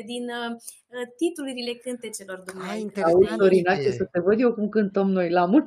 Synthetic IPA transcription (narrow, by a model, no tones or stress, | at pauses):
d̪in | t̪it̪uluɾile̞kɨnt̪e̞t͡ʃe̞lo̞rd̪umausoɾinat͡ʃesət̪e̞vəd̪je̞wkumkɨnt̪əmno̞jlamu